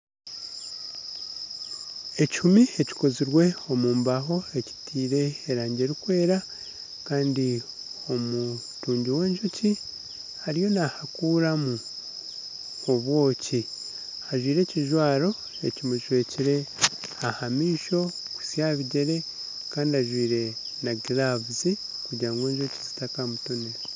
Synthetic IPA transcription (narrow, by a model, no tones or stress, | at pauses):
e̞ci̥umie̞ci̥ko̞ziɾwe̞o̞muːmbaɦo̞e̞ci̥tiːɾe̞ːɾaːɲɟe̞ɾikwe̞ːɾa | kaːndi | o̞mutuːɲɟiwe̞ːnʒuci | haɾijo̞nahakuɾamu | oβwo̞ːci | aʒwiːɾe̞ciʒwaːɾo̞ | e̞cimuʒwe̞ːciɾe̞ahamiːʃo̞ | ku̥sjaβiɟe̞ɾe̞ | kaːndiaʒwiːɾe̞ | naɡiɾavuzi | kuɟaːŋɡe̞ːɲʒocizi̥takamutune